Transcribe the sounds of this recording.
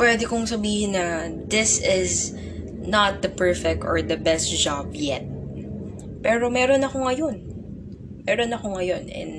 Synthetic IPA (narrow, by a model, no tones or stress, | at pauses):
pwɛd̪ɛkoŋsɐbiːhɪnːɐd̪ɪsɪz | nɐt̪̚d̪ɐpɛɹfɛk̚t̪ɔɹd̪ɐbɛst̪̚d͡ʒab̚jɛt̪̚ | pɛːɾomɛɾonɐko̞ŋɐjo̞n | mɛːɾonɐkoŋɐjo̞nɛ̰n